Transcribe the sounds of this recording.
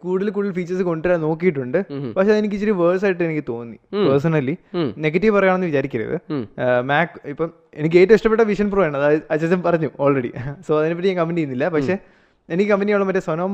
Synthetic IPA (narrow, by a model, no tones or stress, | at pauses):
kuːɽilk̬uːɽilfiːt͡ɕːɐrsɨko̞ɳɖʈːɾaːno̞ːkːijiʈːuɳɖɨpɐkʂeɐðɨenik̬ʲːɨt͡ɕːiɾiʋɐːs̬aːjʈːɨenikʲːɨt̪o̞ːnːḭpɐrs̬ɐnɐlːine̞ɡɐtːiʋpɐrɐjaːɳenːɨʋit͡ɕaːɾikʲːɐɾɐ̰ɐ̰ðɨ̰maːkːipːo | enik̬ʲːeːtːoiʂʈɐpeʈːɐʋiʂɐnpruːjaɳɐðaɐt͡ɕːɐt͡ɕːɐmpɐrɐɲːuoːlreɽḭso̞ːɐðinepɐt̬ːɲaːŋkɐmpːɐnijunːilːɐpɐkʂe̞ː | enikːɨkɐmpɐnijaːuɭɐpɐtːesɐnoːm